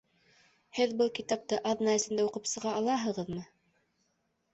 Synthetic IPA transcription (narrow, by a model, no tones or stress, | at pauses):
hɘðbɤlˠkit̪ɑp̚t̪ɤʔɑðnɑɘ̆sɘ̆nd̪æuqɤpsɤ̆ʁɑːlˠɑɦɤ̆ʁɤðmɤ